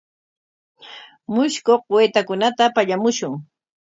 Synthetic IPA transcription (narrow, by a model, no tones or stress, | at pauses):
mʊʃkoqweːt̪akʊnat̪apaʎamʊʃʊŋ